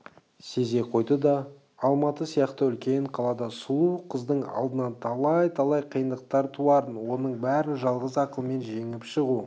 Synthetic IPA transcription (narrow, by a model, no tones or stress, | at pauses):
se̞ze̞qʰo̞jd̪əd̪ɑː | lˠmɑt̪əsijɑqt̪əʏlkʲe̞ɴqʰɑlˠɑd̪ɑsulˠuqʰəzd̪əɴɑ̰lˠd̪ənɑnt̪ʰɑlˠɑjt̪ʰɑlˠɑjqʰijənd̪əq̚t̪ɑɾt̪ʰuɑɾənwo̞nəɴbæɾɪnʒɑlˠʁəzɑqəlˠəme̞nʒe̞ŋɪpʃəʁu